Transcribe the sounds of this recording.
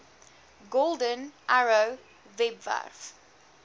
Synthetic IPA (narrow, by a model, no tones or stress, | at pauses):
ɡoldə̃nʔaɹo | vɛbva̰f